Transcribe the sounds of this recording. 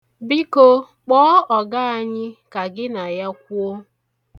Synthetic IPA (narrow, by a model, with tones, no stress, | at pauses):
bi˦ko˦ | k͡pɔː˦ɔ˨ɡa˦a˨ɲɪ˦ka˨ɡɪ˦na˨ja˦k̚ʷu˦o˦